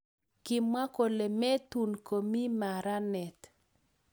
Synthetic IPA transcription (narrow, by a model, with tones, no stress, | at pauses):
kɪ˨mwa˦ko˨le˨mɛ˦t̪u˨nko˨mi˦ma˨ɾa˦nɛ˨t̪